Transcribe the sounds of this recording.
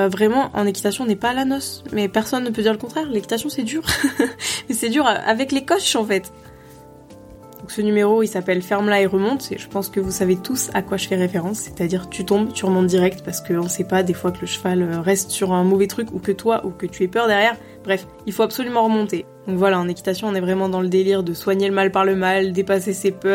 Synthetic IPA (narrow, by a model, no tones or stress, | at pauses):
vʁɛmɑ̃ʔɑ̰̃nekʲi̥t̪asjɔ̃nɛpaːlanɔsmɛpɛʁsɔnːəp̬ød̪iʁləkɔ̃t̪χɛʁlekʲit̪as̬jɔ̃sɛd̪yʁ | mɛsɛd̪yʁʔa̰vɛklekɔʃɑ̃fɛt̪ | d̪dɔ̃ksənymeʁoisapɛlfɛʁmlaeʁəmɔ̃t̪ḛʒəpɑ̃skəvusavet̪usa̰kwaʒəfɛʁefeʁɑ̃sːe̥t̪ad̪iʁt̪yt̪ɔ̃bt̪yʁəmɔ̃t̪̚d̪iʁɛk̚t̪paʁsə̥kəɔ̃sɛpad̪efwakələʃvaløʁɛst̪syʁɛ̃movɛt̪χykukət̪waʔukət̪ʰyɛpœʁd̪ɛʁjɛʁ | b̥ʁɛf | ilfoapsolymɑ̃ʁəmɔ̃t̪ed̪̥ɔ̃kvwalaɑ̃nekʲi̥t̪asjɔ̃ɔ̃nɛvʁɛmɑ̃d̪ɑ̃ləd̪eliʁd̪əswaɲeləmalpaʁləmald̪epasesepœʁ